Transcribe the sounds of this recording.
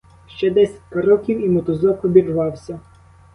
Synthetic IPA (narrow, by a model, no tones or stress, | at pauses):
ʃt͡ʃɛd̪ɛsʲɐ̥t̚ʲkɐɾɔkʲiwimɔt̪ɔzɔpɔbʲirʋɑwsʲɐ